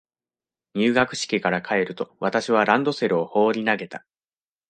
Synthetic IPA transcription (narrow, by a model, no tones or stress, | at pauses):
ɲ̟ɨːɡakɯ̟̥ɕi̥kʲikaɾakʰae̞ɾɯ̟t̪o̞βat̪aɕiβ̞aɾãnd̪o̞se̞ɾɯ̟o̞ho̞ːɾʲinaɡe̞t̪a